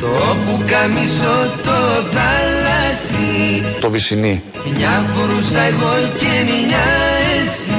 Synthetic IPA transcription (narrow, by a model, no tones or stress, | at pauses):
opukɐmisot̪oθɐlɐsi | t̪ovisini | ɲɐfoɾusɐeɣocemɲɐesi